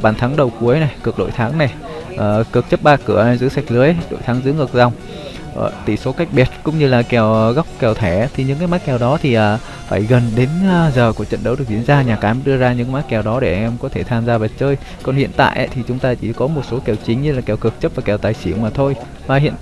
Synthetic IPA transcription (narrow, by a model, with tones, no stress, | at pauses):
ɓaː˧˩nt̪ʰaː˨˦ŋɗə˨˩wku˨˦əjna˨˩jkɨ˨˩ək̚ɗo̰˧˨jt̪ʰaː˨˦ŋna˨˩j | ʔəː˨˩kɨ˨˩ək̚t͡ɕə˦˥p̚ɓaː˧kɨ˧˩əʔzɨ̰˧˥sa˨˩jk̚lɨ˨˦əjɗo̰˧˨jt̪ʰaː˨˦ŋzɨ̰˧˥ŋɨ˨˩ək̚za˨˩wŋ͡m | ʔt̪i˧˩so˨˦ka˦˥jk̚ɓi˨˩ət̚kʊ̰˧˥ŋ͡mɲɨ˧laː˨˩kɛ˨˩wɣa˦˥wk͡p̚kɛ˨˩wt̪ʰɛ˧˩˦t̪ʰi˨˩ɲɨ̰˧˥ŋkaː˨˦jma˦˥kɛ˨˩wɗɔ˨˦t̪ʰi˨˩ʔəː˨˩ | fa̰ː˧˩jɣə˨˩nɗe˨˦nː˧zəː˨˩ku˧˩ət͡ɕə̰˧˨nɗə˨˦wɗɨ˨˩ək̚zi˧˩ənzaː˧ɲaː˨˩kaː˨˦jməː˨˦jɗɨ˧əzaː˧ɲɨ̰˧˥ŋkma˦˥kɛ˨˩wɗɔ˨˦ɗe˧˩ʔʔɛ˧mkɔ˨˦t̪ʰe˧˩t̪ʰaː˧mzaː˧və˨˩t̚t͡ɕəː˧j | kɔ˨˩nhḭ˧˨ənt̪a̰ː˧˨jʔə̰˨˦t̪ʰi˨˩t͡ɕʊ˨˦ŋ͡mt̪aː˧t͡ɕi˧˩kɔ˨˦mo˨˩t̚so˨˦kɛ˨˩wt͡ɕï˨˦ŋ̟ɲɨ˧laː˨˩kɛ˨˩wkɨ˨˩ək̚t͡ɕə˦˥p̚vaː˨˩kɛ˨˩wt̪aː˨˩jsi˧˩əwmaː˨˩t̪ʰo˧j | vaː˨˩hḭ˧˨ən˧